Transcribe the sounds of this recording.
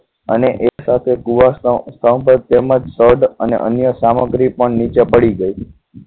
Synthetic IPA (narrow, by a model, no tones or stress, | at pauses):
ə̰neʔesat̪ʰekuʋast̪ʰəwpəd̪̚t̪eməd͡ʒsəɾɖənḛʔənjəsaməɡɾipəɳnit͡ʃepəɽiɡəi